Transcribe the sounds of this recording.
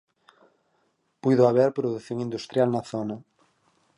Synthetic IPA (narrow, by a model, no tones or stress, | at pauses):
pujðʊaβɛɾpɾoðuθjoŋĩnd̪ust̪ɾjalnɐθonɐ